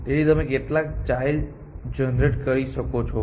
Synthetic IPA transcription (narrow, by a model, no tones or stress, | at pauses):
eit̪əmẽkeʈlakt͡ʃajl | d͡ʒənɾeʈkəɾiʃəkot͡ʃʰɔ